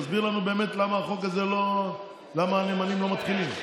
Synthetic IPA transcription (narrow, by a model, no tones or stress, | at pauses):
zbiʁlanube̞ːme̞t̪lamaχo̞kazelo̞ | lamaːnemanimlo̞mat̪χilim